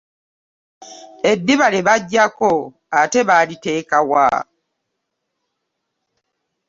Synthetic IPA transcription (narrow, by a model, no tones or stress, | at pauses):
e̞dːiβaleβaɟːako | ate̞βalite̞ːkawa̰